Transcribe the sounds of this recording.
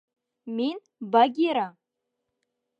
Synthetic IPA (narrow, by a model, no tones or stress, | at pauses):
min | baɡʲiɾa